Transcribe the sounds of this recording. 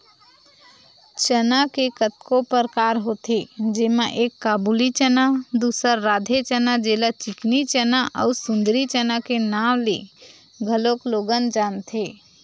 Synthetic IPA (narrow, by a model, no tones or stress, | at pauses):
t͡ʃənakekət̪kopəɾkaɾɦot̪ed͡ʒemeʔekːabulit͡ʃənad̪usəɾːad̪ʱet͡ʃənad͡ʒelət͡ʃiknit͡ʃənaʔə̰usund̪ɾit͡ʃənakenawlḛ | ɡʱəlokloɡənd͡ʒant̪ʰe